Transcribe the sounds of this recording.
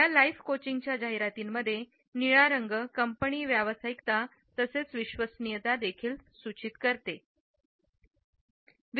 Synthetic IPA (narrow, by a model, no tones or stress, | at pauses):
jalaifkot͡ɕiŋɡt͡ɕjad͡ʑaɦiɾat̪iːmːəd̪ʱːje | niɭaɾəŋɡəkəmpəɳiːʋjaʋəsaikt̪a | t̪əset͡sʋiɕʋəsnijət̪ad̪ekʰiːlsut͡ɕit̪kəɾt̪e | ʋ